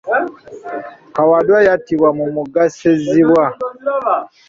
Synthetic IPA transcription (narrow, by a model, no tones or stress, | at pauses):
kawadwajatiβwamumuɡaseziβwa